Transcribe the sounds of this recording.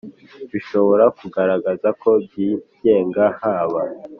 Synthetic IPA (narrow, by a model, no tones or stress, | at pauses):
βiʃo̞βo̞ɾakuɡaɾaɡazakʰo̞bɟiːɟ̥e̞ːŋɡahaːβa